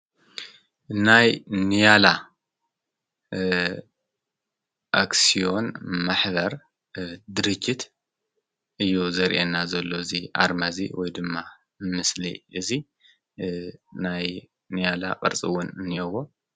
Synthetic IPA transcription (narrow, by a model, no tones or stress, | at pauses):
najnijala | ʔaksijo̞nmaħbɐɾ | d̪ɨɾɨt͡ʃːit̪ | ʔɨjːuzɐɾʔenːazɐlːo̞ɨziʔa̰ɾmazḭwɔjd̪ɨmːa | mɨslḭʔɨzi | naj | nijala̰qʼɐ̰ɾt͡sʼḭwunɨnɐwo